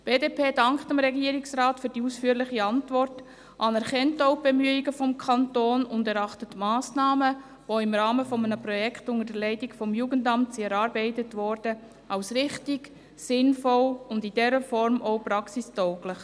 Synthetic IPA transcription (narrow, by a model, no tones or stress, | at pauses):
b̥eːdeːpʰeːdɑŋkχtəmɾɛɡiəɾɪksɾaːtfyːɾdiuːsfyːəɾlɪχiɑntʋɔrt | ʔɑnɛɾχɛntoʊb̥ɛmyəiɡəfɔmkʰɑntoːnʊndɛɾɑχtətmɑːsnɑːmə | voɪmɾɑːməfɔmənəpɾɔjɛkχtʊnŋədəlɛɪtɪɡfɔmjuːɡəndɑmtsiɛɾɑːɾbɛɪtətʋɔɾd̥ə | ʔɑʊsɾɪχtiɡ | sɪnfɔlʊndɪd̥ɛɾəfɔɾmʔoʊpɾɑksistœʊɡlɪχ